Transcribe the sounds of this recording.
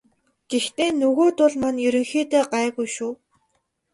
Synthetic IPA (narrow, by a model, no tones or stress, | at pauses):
ɡ̥ext̪eːnɵɣoːt̪ʊɮmanjɵɾɵ̆ŋxiːt̪eːɢaːɣujʃuː